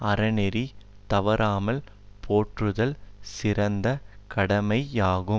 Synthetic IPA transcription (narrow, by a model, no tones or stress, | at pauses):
ɐɾɐnɛɾi | t̪ɐʋɐɾaːmɐl | pʰoːʈrɯðɐlsɪɾɐnd̪ɐkɐɽɐmɐɪaːɣɯ